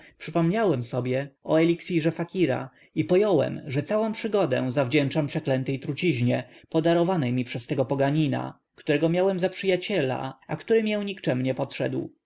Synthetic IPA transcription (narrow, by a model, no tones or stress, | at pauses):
pʂɘpɔmɲawɛmsɔbʲjɛʔɔ̰ɛlʲiksʲiʐɛfakʲiɾa̰ | ipɔjɔwɛ̰mʐɛt̪sawɔ̃w̃pʂɘɡɔd̪ɛ̰̃zavd͡ʑɛnt͡ʂampʂɛklɛnt̪ɛjt̪ɾut͡ɕiʑɲɛpɔd̪aɾɔvanɛjmʲipʂɛst̪ɛɡɔpɔɡaɲina̰ | kt̪uɾɛɡɔmʲjawɛmzapʂɘjat͡ɕɛla̰akt̪uɾɘmʲjɛw̃ɲikt͡ʂɛmɲɛpɔtʂɛ̰d̪w